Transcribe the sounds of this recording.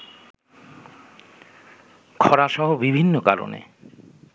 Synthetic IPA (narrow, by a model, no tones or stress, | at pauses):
kʰɔɾaʃɔɦobibʱinːokaɾo̰nḛ